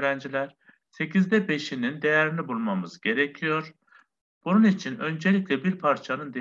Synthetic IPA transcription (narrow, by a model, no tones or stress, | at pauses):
ɾænd͡ʒilʲæɾ̥ | se̞cʰizd̪ɛbe̞ʃinind̪e̞jæɾinibulˠmamɯzɟe̞ɾecʰijo̞ɾ̥ | b̥ununit͡ʃʰinø̞nd͡ʒe̞lʲiclʲɛbiɾpʰaɾt͡ʃʰanɯnd̪e